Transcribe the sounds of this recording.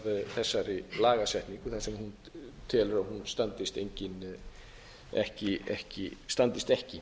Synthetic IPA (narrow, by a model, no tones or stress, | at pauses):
ðθɛsːaɾɪlaːɣasɛht̪niŋkʏθasɛmhun | t̪ʰɪlʏɾahunst̪ant̪ɪst̪ejɲcɪn | ɛ̰hcɪɛ̰hcɪ̰st̪ant̪ɪst̪ɛhcɪ